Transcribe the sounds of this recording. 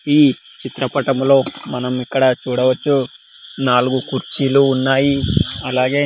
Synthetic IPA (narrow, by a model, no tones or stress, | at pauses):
iː | t͡ʃit̪ɾɐpɐʈɐmlo̞ːmɐnɐmikːɐɽɐt͡ʃuːɽɐʋɐt͡ʃːu | naːluɡukuɾt͡ʃiːluːnːaːjiɐlaːɡe̞ː